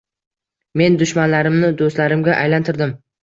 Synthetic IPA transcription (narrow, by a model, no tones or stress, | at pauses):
me̞nd̪ʊʃmanlaɾɪmnɪd̪ost̪laɾɪmɡʲaʔajlant̪ʰɪɾd̪ɪm